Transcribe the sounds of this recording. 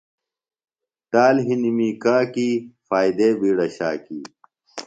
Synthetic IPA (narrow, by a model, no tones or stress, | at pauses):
t̪aːlɦinimiːkaːkiːfaːjd̪eːbiːɽɐɕaːkiː